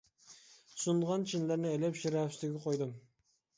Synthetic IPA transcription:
sunʁɑnt͡ʃʰinlæɾnɪɛlɛpʃiɾɑfsɪɡʲɛqʰojd̪ɨm

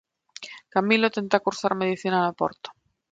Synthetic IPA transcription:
kamilot̪e̞nt̪akuɾθaɾmeðiθinanopo̰ɾt̪o̥

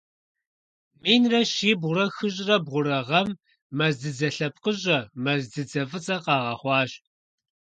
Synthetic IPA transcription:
miːnrɐʃiːbʁʷʊɾɐxɨɕʼrɐbʁʷʊɾɐʁɐmː | ɐzdɨd͡zɐɬɐp̚qəɕʼɐmɐzdɨd͡zɐfɨt͡sʼɐqɑːʁɐ̰χʷɑːɕ

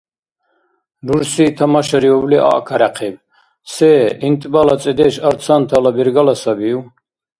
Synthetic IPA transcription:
d̪uɾsit̪ʰamaʃaɾiɔbliʔa̰ʔkʰaɾaqʰɛb | sɛːint̪ʼbalat͡sʼɛd̪ɛʃaɾt͡sʰant̪ʰalabiɾɡalasabiu

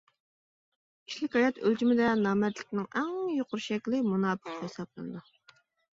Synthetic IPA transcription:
kʲʰi̥ʃlɪkʲhɑjɑt̪ølt͡ʃimɪd̪ɛnɑːmɛt̪lɪ̥kʲnɪŋɛŋjoqʊɾʃɛkʲlɪmunɑːbɨqhesɑplˠɨnɨd̪u

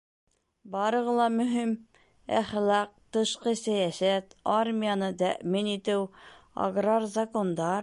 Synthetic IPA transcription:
bɑɾɤ̆ʁɤlˠɑmɵ̆ɦim | æχlˠɑq̚t̪ɤ̆ʃqɤsæjæsæt̪armʲijanɤt̪æ̰ʔminit̪ɘwɐ̰ɡrarzɐkond̪ɑɾ

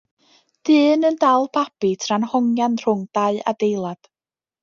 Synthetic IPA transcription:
d̥ɨːnəndalˠpʰapitʰranhɔŋjanr̥ʊŋd̥aɨʔa̰dejlˠad̥

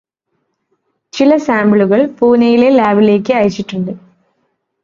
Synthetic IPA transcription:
t͡ɕilɐsaːmbɭuɣɐɭfuːnɐjilelaːʋile̞ːkːɨɐjit͡ɕːiʈːuɳɖɨ

